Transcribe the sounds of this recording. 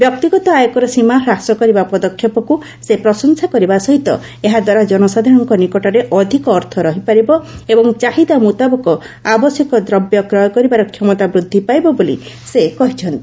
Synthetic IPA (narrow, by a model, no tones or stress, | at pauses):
bjɔk̚t̪iɡɔt̪ɔajɔkɔɾɔsimaɦɾasɔkɔɾibapɔd̪ɔkʰːjɔpɔku | sepɾɔsɔŋsakɔɾibasɔɦit̪ɔ̰ | eɦad̪waɾad͡ʒɔnɔsad̪ʱɔɽ̃ɔŋkɔnikɔʈɔɾeʔɔd̪ʱikɔːɾt̪ʰɔɾɔɦipaɾibɔebɔŋt͡ʃaɦid̪amut̪abɔkɔ | abɔsjɔkɔd̪ɾɔbjɔkɾɔjɔkɔɾibaɾɔkʰjɔmɔt̪abɾud̪ʱːipajbɔbolḭ | sekɔɦit͡ʃʰɔnt̪ii